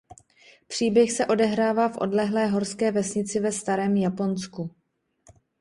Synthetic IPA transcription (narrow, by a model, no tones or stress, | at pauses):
pr̥iːbjɛxsɛʔo̞dɛɦɾaːvaːfʔo̞̰dlɛɦlɛːɦo̞ɾskɛːvɛsɲɪt͡sɪvɛst̪aɾɛːmjapo̞nsku